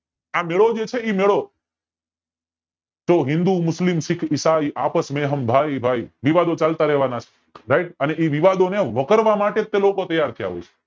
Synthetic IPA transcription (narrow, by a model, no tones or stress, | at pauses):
ameɭod͡ʒet͡ʃʰeimeɭo | t͡ʃoɦɪ̃nd̪umʊslimsɪkʰisaiʔa̰pəsmeɦəmbʱajbʱaiʋiʋad̪ot͡ʃalt̪aɾɛʋanat͡ʃʰe̥ | ɾaiʈəneʔiʋiʋad̪oneʋəkəɾʋamaʈet̪ːelokot̪əjːaɾt̪ʰia̰ʋo̰t͡ʃʰe̥